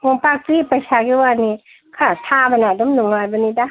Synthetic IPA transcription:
koŋpak̚pipasaɡiwani | kʰat̪ʰabanad̪ɔmnuŋlajbanida

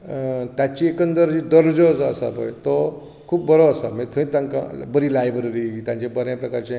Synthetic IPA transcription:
t̪jat͡ɕiekənd̪əɾd͡ʑid̪əɾd͡zod͡zəsa̰bo̰jt̪ɔ | kʰuːpbʱəɾoəsamẽt̪ʰəĩt̪ãŋkã̰bəɾilajbɾəɾit̪jãɲt͡ɕẽbəɾjãpɾəkaɾt͡ɕẽ

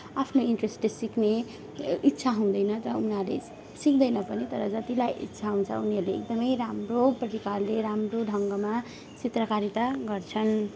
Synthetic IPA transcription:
apʰnoiɳʈresʈessikne | it̪ːsʰaɦũũd̪ʌjnʌɾʌunalḛ | sik̚d̪ʌjnʌpʌnit̪ʌɾʌd͡zʌt̪ilajʔḭt̪ːsʰaɦũnt͡sʰʌ̰uniʌɾleːk̚d̪ʌmʌjɾamroprʌɾikalːeɾamroɖʱʌŋɡʌma | t͡sit̪rʌkaɾit̪aɡʌrt͡sʰʌn

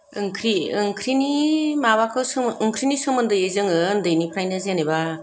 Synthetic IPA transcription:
ɯŋkʰɾiɯŋkʰɾinimaβakʰɯsɯɯŋkʰɾinisɯmɯndɯjezɯŋɯndɯjnipʰɾajnazeneba

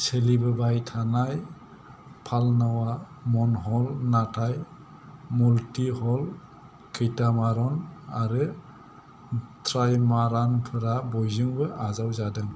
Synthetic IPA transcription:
selibɯbajtʰanaj | pʰalnawa | mɔnɦɔlnatʰaj | multihɔl | kʰɯjtamaɾɔnaɾɯ | tʰɾajmaɾanpʰɯɾabɔjzɯŋbɯʔazawzadɯŋ

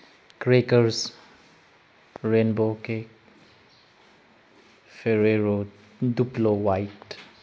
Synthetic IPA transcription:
kɾekəɾs | ɾenboke | feɾeɾo | d̪uplowaɪʈʈ

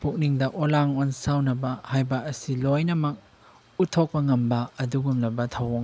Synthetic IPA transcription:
puk̚niŋdɐʔolaŋonsawnɐbɐhajbɐɐsilojnɐmɐk̚ | utʰok̚pɐŋɐmbɐːduɡumlɐbɐtʰɐwoŋ

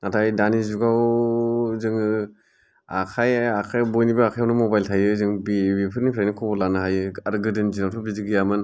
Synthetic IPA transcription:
natʰajdanizuɡaw | zɯŋɯ | akʰajakʰajbɔjnibɯakʰajawnɯmɔbajltʰajɯzɯŋbibipʰɯɾnipʰɾajnikʰɔbɔlanɯɦajɯaɾɡɯdɯnd͡ʒinawtʰɔbizɯɡijamɯn

